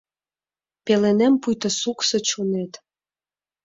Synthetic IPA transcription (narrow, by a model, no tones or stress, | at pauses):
pelenempujt̪ə̆suksɤ̆t͡ɕonet̪